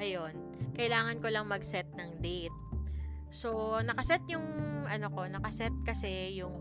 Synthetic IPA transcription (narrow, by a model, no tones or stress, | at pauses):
ʔɐjo̞n | kɐʔɪlaːŋɐnkolɐŋmɐɡsɛt̪̚nɐŋd̪it̪̚ | sonɐkɐsɛt̪̚jʊŋʔɐnoko̞nɐkɐsɛt̪̚kɐsɛjʊŋ